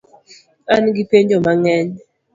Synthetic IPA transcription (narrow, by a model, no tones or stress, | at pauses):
anɡipeɲd͡ʒomaŋɛɲ